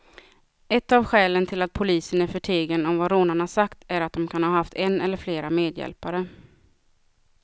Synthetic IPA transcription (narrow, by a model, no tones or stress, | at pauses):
ɛt̪ːavɧɛːlənt̪ʰɪlat̪̚pʰʊliːsənæɾfœʈʰeːɡənɔmvaɾoːnaɳasakt̪æɾat̪̚d̪ɔmkʰanhɑːɦaft̪ʰɛnːɛlːəɾfleːɾameːd̪jɛ̰lpaɾə